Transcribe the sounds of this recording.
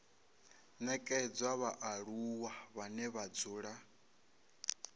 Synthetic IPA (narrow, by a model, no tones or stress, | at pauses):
nɛkʼɛd͡zwaβaʔaɺuwaβanɛβad͡zuːɺa